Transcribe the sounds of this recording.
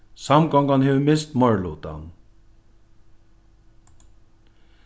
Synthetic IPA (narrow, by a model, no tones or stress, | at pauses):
sɑmɡɑŋɡɑnheːʋəmɪst̪mɑɹlot̪ɑ̰n